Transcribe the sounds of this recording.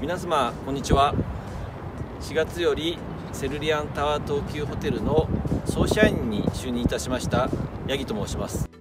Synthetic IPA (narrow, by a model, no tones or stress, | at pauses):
mʲinasamakõ̞ɲ̟ːit͡ɕiβa | ɕiɡat͡sɨjo̞ɾʲi | se̞ɾɯ̟ɾʲiãnt̪aβat̪o̞ːkʲɨːɦo̞t̪e̞ɾɯ̟no̞so̞ːɕaĩɲ̟ːḭɕɨːɲ̟ĩit̪aɕimaɕi̥t̪a | jaɡʲit̪o̞moːɕimasɨ̥